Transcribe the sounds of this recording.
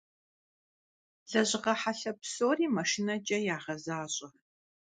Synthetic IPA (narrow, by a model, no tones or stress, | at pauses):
z̥ɐʑɪʁɐħaɬɐpsoːriːmɐʃɪnɐd͡ʒʼɐjaːʁɐzaːɕʼɐ